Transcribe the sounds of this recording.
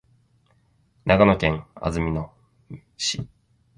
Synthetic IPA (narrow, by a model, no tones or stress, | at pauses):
naɡanokẽ̞ŋa̰zɨmʲino | ɕi